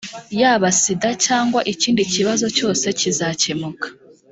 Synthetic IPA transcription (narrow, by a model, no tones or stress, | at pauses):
jaːβasidacaːŋɡwaʔiciːndiciβazo̞co̞ːse̞cizacemukḁ